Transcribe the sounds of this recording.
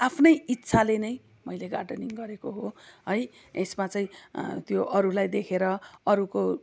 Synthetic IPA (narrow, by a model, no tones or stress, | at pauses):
apʰnʌjit̪ːsʰalenʌj | mʌjleɡaɖʌniŋɡʌɾekoɦoɦʌj | esmat͡saĩt̪joʔʌɾulajd̪ekʰeɾʌʌɾuko